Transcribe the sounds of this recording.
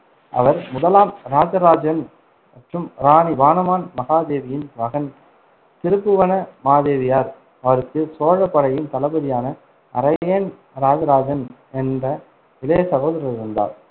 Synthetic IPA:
ʔɐ̰ʋɐɾmʊðɐlaːmɾaːd͡ʒɐɾaːd͡ʒɐn | mɐʈrɯmɾaːniʋaːnɐmaːnmɐɣaːd̪eːʋɪjɪnʋɐɣɐn | t̪ɪɾɯbɯʋɐnɐmaːðeːʋɪjaːɾ | ɐʋɐɾɯkːɯsoːɻɐpːɐɽɐjɪnt̪ɐlɐbɐðɪjaːnɐ | ʔɐ̰ɾɐjeːn | ɾaːd͡ʒɐɾaːd͡ʒɐn | ɛndrɐ | ɪlɐjɐsɐɣoːðɐɾɐlɪɾɯnd̪a̰ːɾ

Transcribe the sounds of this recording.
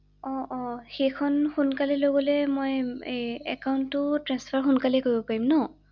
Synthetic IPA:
ɔ̃ʔɔxejkʰɔnxunkalɛloɡɔlɛmoj | ɛ̰kawntʊtɹanspʰaɹxunkalɛkoɹibɔpaɹimnɔ

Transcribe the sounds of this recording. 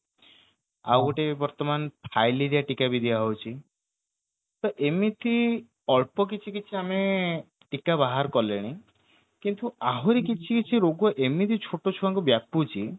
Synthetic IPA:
a̰wɔʈebɔɾt̪ɔmanpʰajliɾiaʈikabid̪ʱibaɦowt͡ʃʰi | t̪ɔʔemit̪ʰi | ɔɭpɔk̬it͡ʃʰikit͡ʃʰiame | ʈikabaɦaɾkɔleɽ̃i | kint̪uaɦoɾikit͡ʃʰikit͡ʃʰiɾoɡɔʔemit̪ʰit͡ʃʰoʈot͡ʃʰuaŋkubjaput͡ʃʰi

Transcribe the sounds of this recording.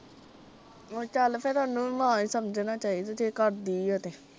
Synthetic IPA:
oːt͡ʃaːləpʰɛːt̪ʊaːnːũːmãːiːsəmd͡ʒnaːt͡ʃaːid̪ed͡ʒeːkəɾd̪iːoːt̪eː

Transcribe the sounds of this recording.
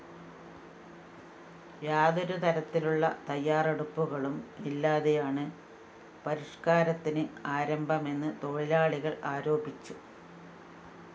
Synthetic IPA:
jaːðoɾut̪ʰɐɾɐt̪ːiluɭːɐ̰t̪ɐjːaːre̞ɽupːuɣɐɭumilːaːðejaːɳɨ | pɐɾiʂkaːɾɐt̪ːinɨaːɾɐmbʱɐme̞nːɨt̪o̞ɭilaːɭiɣɐɭaːɾoːbit͡ɕːu

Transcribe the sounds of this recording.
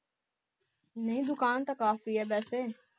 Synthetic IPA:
nəɦĩːd̪ʊkaːnt̪akaːfiːɦɛːbɛːseː

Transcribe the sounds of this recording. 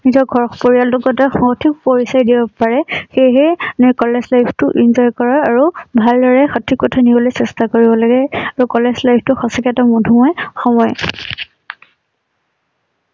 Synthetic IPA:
nizɔɹɡʱɔɹxpoɹijaltukɔtaxɔtʰik̚poɹisajdibɔpaɹɛxeɦɛnɔjkɔlezlajbtʊʔinzɔjkɔɹaːɹubʱaldɔɹɛxɔtʰikːɔtʰanibɔlojsɛstakoɹibɔlaɡɛaɹukɔlezlajbʰtʊxɔsakɛtamɔdʱumɔjxɔmɔj

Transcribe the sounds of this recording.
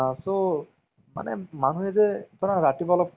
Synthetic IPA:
so | ma̰nɛ̰manuɛzɛtɔnaɾatibalɔp̚

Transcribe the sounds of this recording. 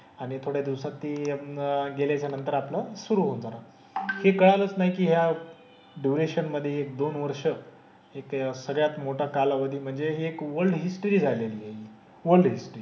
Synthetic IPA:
aɽ̃it̪ʰoɽjad̪iwsat̪ːiː | ɡeljat͡ɕjanənt̪əɾaplasuɾuːɦond͡zaɾa | hekəɭalət͡snaɦikiːɦja | ɖjuɾeɕənməd̪ʱːjeːk̚d̪onʋəɾʂə | eksəɡɭjat̪moʈʰakalaʋəd̪ʱiːm̤əɳd͡zeɦeːkʋəɾɖɦisʈəɾiːd͡zʱajlelieɦi | ʋəɾlɖɦisʈəɾiː

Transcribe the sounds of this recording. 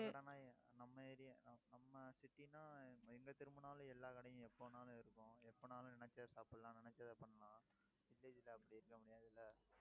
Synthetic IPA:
ɐɽaːnaːnɐmːɐɪɾɪjɐnnɐmːɐsɪʈːinaːɛŋɡɐt̪ɪɾɯmbɯnaːlʊ̃ɛlːaːkɐɽɐjʊ̃ɛpːoːnaːlʊ̃ɪɾɯkːʊ̃ɛpːoːnaːlʊ̃nɪnɛt͡ʃːaːsaːpɯlãːnɪnɛt͡ʃːaːðɐpɐɳːɐlãː | ʋɪlːeːd͡ʒɪlɐːpːɐɽiɪɾɯkːɐmʊɽɪjaːɪðɪlɐ

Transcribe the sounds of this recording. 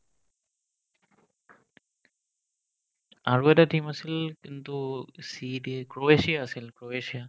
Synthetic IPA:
aːɾueɗaːʈiːməsɪlkɪnt̪usiːɗikɾoːeːʃijasɪlkɾoːeːʃijaː

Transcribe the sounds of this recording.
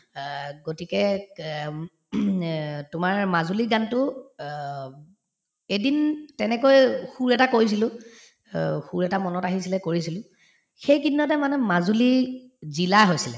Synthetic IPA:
ɡotikɛ | tʊmaɹmazuliɡantʊ | edintɛnɛkojxuɹɛtakoɹis̬ilʊ̃ | xuɹɛtamɔnɔtaɦisilɛkoɹisilʊ̃ | xejkidnːɔtɛmanɛmazuli | zilaɦojsilɛ

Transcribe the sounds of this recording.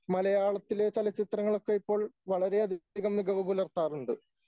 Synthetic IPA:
mɐlɐjaːɭɐt̪ːile̞t͡ɕelɐt͡ɕit̪rɐŋːɐɭo̞kːe̞ipːo̞ːɭʋɐɭɐɾe̞ɐd̪ʱiɣɐmniɡɐʋɐbulɐrt̪ːaːruɳɖɨ

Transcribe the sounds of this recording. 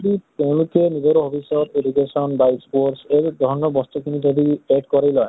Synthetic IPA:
ɖit̪eʊ̃lukenid͡ʒɔɾɔɦopʰisɔt̪eɖukesɔnbaespoɾʈseɾd̪ʱɔnɔbɔst̪ɔkinid͡ʒɔd̪ieʈkɔɾajlɔe

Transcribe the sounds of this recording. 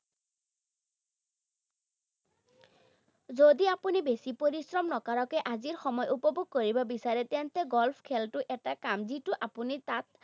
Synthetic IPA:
zodiapunibesipoɹisɹɔmnɔkaɹɔkɛʔaziɹxɔmɔjʔupɔbuɡ̚koɹibɔbisaɹɛt̪ɛnt̪ɛɡɔlpʰkʰɛltʊʔɛtakamzitʊʔapunit̪at̪̚

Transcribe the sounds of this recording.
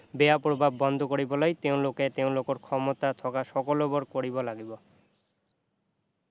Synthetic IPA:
beapɾobʱabːɔnd̪ʱokoɾibolajt̪eõloket̪ewlokoɾkʰɔmot̪at̪ʰɔkaʃɔkolobɔɾkoɽibolaɡibo

